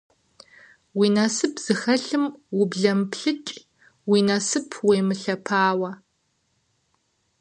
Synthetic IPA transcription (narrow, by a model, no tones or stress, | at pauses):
wiːnɐsɨpʰz̥ɨxɐɬɨmwʊbɮɐmpʰɬɨt͡ʃʼ | wiːnɐsɨpʰweːmɨɬɐpʰaːwɐ